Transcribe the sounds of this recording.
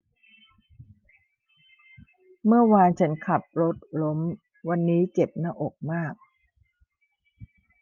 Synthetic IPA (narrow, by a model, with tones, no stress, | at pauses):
mɯ˥˩ɐwaː˧nt͡ɕʰa˦˥nkʰa˨˩p̚ɾo˦˥t̪̚lo˦˥m | wa˧nːiː˦˥t͡ɕe˨˩p̚naː˥˩ʔo˨˩k̚maː˥˩k̚